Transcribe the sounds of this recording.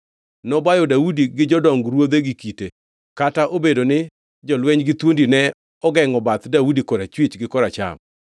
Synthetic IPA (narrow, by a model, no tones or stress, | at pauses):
nɔbajɔdaudiɡɪd͡ʒɔdɔŋɡɾwod̪eɡikite | kataʔobedonɪ | d͡ʒɔlwɛɲɡɪt̪wondinɛ | ɔɡɛŋɔbat̪daudikɔɾat͡ʃwit͡ʃɡɪkɔɾat͡ʃa̰m